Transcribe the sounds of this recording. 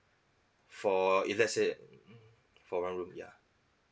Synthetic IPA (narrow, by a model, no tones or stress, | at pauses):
fɔilɛse | fɔɹãnɹũmja̰